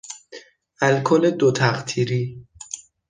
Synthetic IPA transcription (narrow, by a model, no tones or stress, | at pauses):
ʔælkʰoled̪ot̪ʰæɢt̪ʰiːɾiː